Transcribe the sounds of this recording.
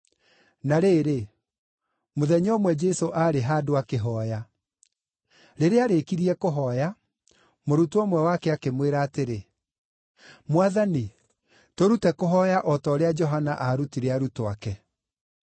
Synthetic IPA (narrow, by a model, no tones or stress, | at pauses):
naɾeːɾe | moðɛɲɔmwɛd͡ʒɛsoʔaːɾeɦadoakeɦɔja | ɾeɾeaɾekiɾiɛkoɦɔja | moɾutuɔmwɛwakɛakemweɾaːteɾe | mwaðani | toɾutɛkoɦɔjaʔɔtɔːɾead͡ʒɔɦanaʔaɾutiɾeaɾutoakɛ